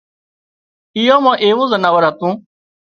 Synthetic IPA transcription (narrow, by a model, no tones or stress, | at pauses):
ɪjãːmãːʔeːʋũːzənaːʋəɾɦət̪ũː